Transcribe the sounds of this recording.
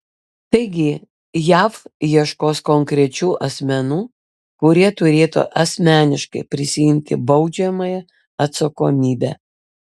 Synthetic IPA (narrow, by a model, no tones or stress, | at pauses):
t̪ɐɪɡʲɪ | jæːfjiɛʃkoːskɔŋʲkɾʲɛt͡ʃʲuːʔɐsʲmʲɛnuː | kʊɾʲiɛt̪ʊɾʲeːt̪o̰ːʔɐsʲmʲæːnʲɪʃkɐ̰ɪpʲɾʲɪsʲɪjɪmʲt̪ʲɪbɐʊd͡ʒʲɛmɐjɛ | ɐt̪sɐkoːmʲiːbʲæ̰